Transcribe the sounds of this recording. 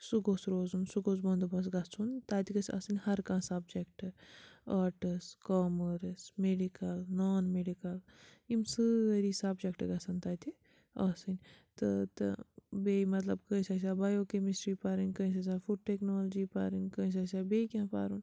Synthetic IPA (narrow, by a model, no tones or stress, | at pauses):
suɡoːsɾoːzunsuɡoːsbɐnd̪ubɐs̬ɡɐt͡sʰunt̪aːt̪ikɐsɐ̰sɨnʲhɐɾkãːsabd͡ʒek̚ʈɨɐːʈɨskɔːməɾesmeɖikɐlnoːnmeɖikɐlimsɨɾisaːbd͡ʒekʈɨɡɐsɐnt̪aːt̪ʰi | ɐsɨnʲ | t̪ɨt̪ɨ̰beːmɐt̪lɐb̚kə̃isaːs̬aːbajokemisʈɾipaːɾinʲkə̃ĩs̬asafuɖ̚ʈeknoːld͡ʒipa̰ːɾinʲkəĩs̬asabekʲãːpa̰ːɾun